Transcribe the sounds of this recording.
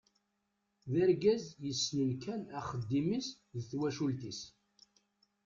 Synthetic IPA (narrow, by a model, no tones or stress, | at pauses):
ðæɾɡæzjəsːnəlkænæχəd̪ːimis | ðθwæʃult̪is